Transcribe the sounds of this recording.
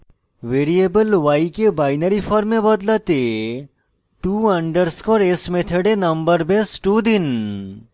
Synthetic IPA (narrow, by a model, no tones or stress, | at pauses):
ʋeːɾiebəlʋajkebaːɪnəɾifʰɔɾmẽbɐd̪lat̪e | ʈuːɐ̃ɳɖəɾskɔɾesmet̪ʰeɖenɐ̃mbəɾbesʈud̪ɪn